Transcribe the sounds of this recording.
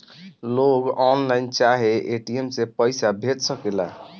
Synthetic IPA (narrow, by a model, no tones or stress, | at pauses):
loɡɔnlaɪnt͡ʃaɦeʔeʈiemsepəɪsabʱeʈsəkela̰